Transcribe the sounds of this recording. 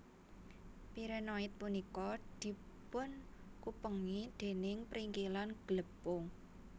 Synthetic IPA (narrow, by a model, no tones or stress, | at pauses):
piɾɛnɔɪt̪̚punikɔd̪̥i̤ | pʊnkupəŋid̪̥e̤nɪŋpɾiŋkilanɡ̥ləpːʊŋ